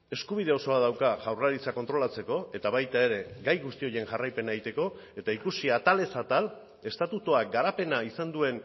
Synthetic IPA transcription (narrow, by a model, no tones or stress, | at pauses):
e̞skuβ̞ið̞e̞o̞so̞að̞awkaʝawraɾit͡sako̞nt̪ɾo̞lat͡se̞ko̞e̞t̪aβajt̪ae̞ɾe̞ɡajɣust̪io̞je̞ŋʝarajpe̞naejt̪e̞ko̞ | e̞t̪aikusiat̪ale̞sat̪al | e̞st̪at̪ut̪oaɡaɾape̞naisand̪ue̞n